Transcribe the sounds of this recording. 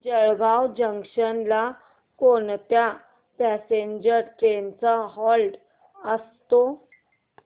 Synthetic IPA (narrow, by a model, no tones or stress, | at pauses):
d͡ʑəɭɡawd͡ʑəŋkʂənla | kont̪ja | pæseɲd͡ʑəɾʈɾent͡saɦɔlɖ | əst̪o